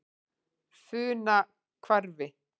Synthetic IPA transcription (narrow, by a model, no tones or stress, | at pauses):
fʏːna | kʰvaɾvɪ